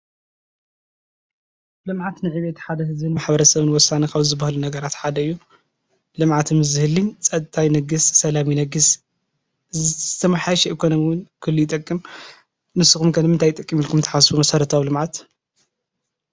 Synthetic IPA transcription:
lɨmʕat̪nɨʕiβet̪ħad̪ɐhɨzbɨnmaħbɐɾɐsɐβɨnwɔsanikaβzɨbːahlunɐɡɐɾat̪ħad̪ɐɨjːu | lɨmʕat̪mɨzɨhɨlːit͡sʼɐd̪̚t̪ʰʼajnɐɡɨssɐlaminɐɡɨs | ɨzzɨt̪ʰɐmaħaʃɛʔikʰo̞nomiwʊnkʰɨlːujɪt̪ʼɐkʼːim | nɨsɨxumkʰɐnɨmɨnt̪ʰajt̪ʼɐkʼːimilkʰumt̪ʰɐ̥ħasfumɐsɐɾɐt̪ʰawlɨmʕat̪

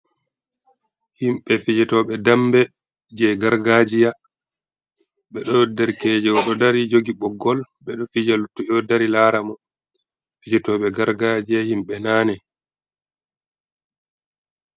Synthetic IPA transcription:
himɓɛfid͡ʒɛtɔɓɛdambɛ | d͡ʒɛɡaɾɡad͡ʒija | ɓɛɗɔdɛɾkɛd͡ʒɛwɔɗɔdaɾid͡ʒoɡiɓɔɡːɔl | ɓɛɗɔfid͡ʒalutːuɛɔdaɾilaːɾamɔ | fid͡ʒɛtɔːɓɛɡaɾɡad͡ʒijahimɓɛnaːnɛ

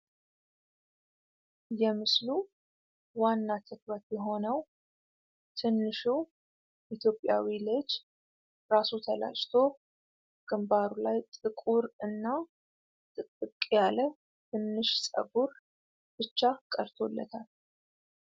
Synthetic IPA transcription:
jɛmɨslu | wanːat̪ʰəkwət̪jɛɦo̞nəw | t̪ʰɨnːɨʃu | ʔit̪jo̞pʼːja̰wilət͡ʃː | ɾasut̪ʰəla̰d͡ʒt̪ʰo̞ | ɡ̥ɨmbaɾulajt̪ʼɨkʼuɾɨnːa | t̪ʼɨt̪ʼːɨkʼjalə | t̪ʰɨnːɨʃsʼə̰ɡuɾ | b̥ɨt͡ʃːakʼəɾt̪ʰo̞lːə̰t̪ʰal

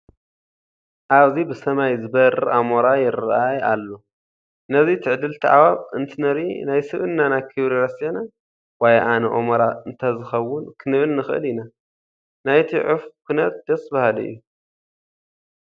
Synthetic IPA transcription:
ʔaβzibɨsɐmajzɨbɐɾʔamoɾajɪɾʔajalːo | nɐzit̪ʰɨʕd̪ɨlt̪ʰɨʕa̰βaβɨnt̪ʰɨnɐɾinajsɨβɨnːanajkʰɨβɾiɾɐsina | wajʔanɐʔomɐɾaɨnt̪ʰɐzɨxɐwːʊnkʰɨnɨβɨnːɨxʔɨ̰lɪna | najt̪ʰiʕɨfkʰunɐt̪̚d̪̥ɐsbahalḭʔːu

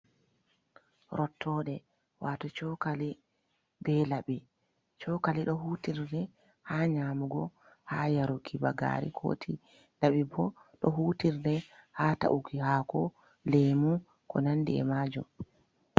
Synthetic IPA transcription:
ɾʔɔtʰːɔːɗɛ | wʔatɔt͡ʃɔkali | bɛlaɓi | t͡ʃɔkaliɗɔɦutiɾdɛ | haːɲaːmuɡɔ | haːjaɾukʰibaɡa̰ɾḭkʰo̰ːtʰi | laɓibɔɗɔɦuːtiɾdɛhaːta̰ʔukihaːkɔ | leːmu | kɔ̰nandiɛ̰maːd͡ʒṵm

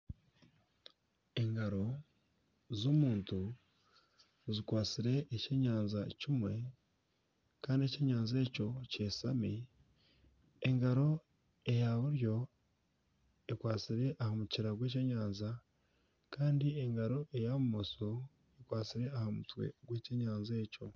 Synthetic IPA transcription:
e̞ŋɡaɾo̞ | zoːmuːntu | zikwaːt͡siɾe̞ʔːce̞ɲaːnzacimwe̞ | kaːndie̞ce̞ːɲaːnze̞ːco̞ce̞ːsami | eŋɡaɾo̞ | e̞jaβuɾjo̞ | ekwaːt͡siɾe̞ʔahamuciɾaɡweːc̬eɲaːnza | kaːndieŋɡaɾo̞ʔe̞jamumoso | ekwaːt͡siɾe̞ahamutwḛɡwe̞ːceɲaːnze̞ːco̞

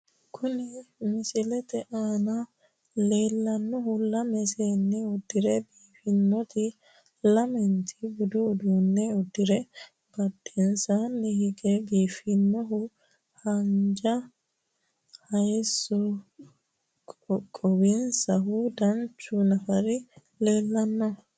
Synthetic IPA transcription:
kʰʊnimɪsilɛt̪ɛʔaːna | leːlːɐnːɔhulɐmɛseːnːiud̪ːiɾɛbiːfinːɔt̪i | lɐmɛnt̪ʰibud̪uːd̪unːɛud̪ːiɾɛ | b̥ɐdinsanːihiɡɛbiːfinːɔɦu | hɐɲd͡ʒa | hɐjsɔ | kʼɔwinsɐɦud̪ɐnt͡ʃːunɐfɐɾi | leːlːɐnːɔ

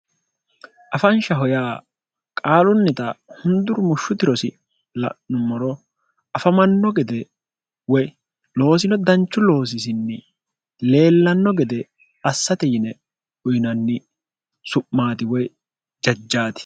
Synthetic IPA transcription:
ʔɐfɐnʃɐɦɔjaː | kʼaːlʊnːɪt̪ɐhʊnd̪ʊɾʊmʊʃːʊt̪ɪɾɔsɪ̰ | lɐ̰ʔnʊmɔɾɔ | ɐfɐmɐnːɔɡɛd̪ɛ | wɔj | lo̞ːs̬ɪnɔd̪ɐnt͡ʃːʊlo̞ːs̬ɪsɪnːɪ | le̞ːlːɐnːɔɡɛd̪ɛ | ɐsːɐt̪ɛjɪnɛ | ʊjɪnɐnːɪ | sʊʔːaːt̪ɪwɔj | d͡ʒɐd͡ʒːaːt̪ɪ̥

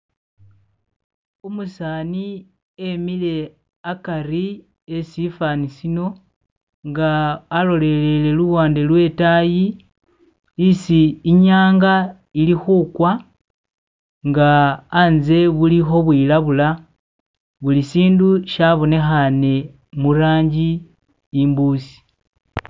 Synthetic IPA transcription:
omusaːni | emile̞ | akaɾi | esifanisino̞ | ŋɡaːlo̞le̞le̞le̞luβwaːnde̞lwe̞taji | siːɲaːŋɡa | ilixuːkwa | ŋɡaːnze̞βulixo̞βwiːlaβula | βulisiːnduʃaβo̞ne̞xane̞ | muɾaːɲɟiː | mbuːsi̥

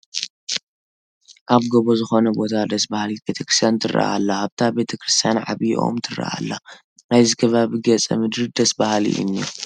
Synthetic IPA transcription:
ʔaβɡoβozɨxo̞nɐbo̞t̪ʰad̪ɐsbahlibe̞t̪ʰɐkɾɨst̪jant̪ʰɨrʔa̰ʔa̰lːahaβt̪ʰabe̞t̪ʰɐkʰɾɨst̪ʰijanʕa̰βiʔo̰mt̪ʰɨra̰ʔa̰lːa | najzikʰɐβaβiɡɐt͡sʼɐ̰mɨd̪ɾid̪ɐsbahlḭʔɨ̰nːḭ

